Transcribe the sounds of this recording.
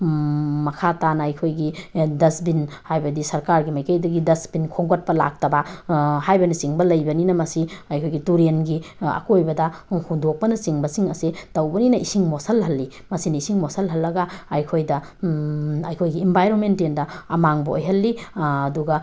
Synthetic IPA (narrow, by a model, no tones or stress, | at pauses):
mɐkʰatanɐɐjkʰojɡidɐsbinhajbɐdisɐɾkaɾɡimɐjkɐjdɐɡidɐsbinkʰoŋɡot̚pɐla̰k̚tɐbahajbɐnisiŋbɐlɐjbɐninɐmɐsiɐjkʰojɡituɾenɡiɐ̰kojbɐdɐhundok̚pɐnɐsiŋbɐsiŋɐsitɐwbɐninɐʔisiŋmosɐlɦɐlːi | mɐsinɐisiŋmosɐlɦɐlːɐɡaːjkʰojdɐ | ɐjkʰojɡiːmbʱajɾonmentendɐɐmaŋbɐo̰jɦɐlːiːduɡɐ